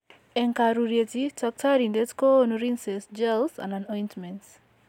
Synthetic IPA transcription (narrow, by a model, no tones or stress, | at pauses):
ɛŋkaɾuɾjetitɔk̚tʰaɾindetkonuɾinsɛsd͡ʒɛlsã̰nanɔjntmɛ̃nt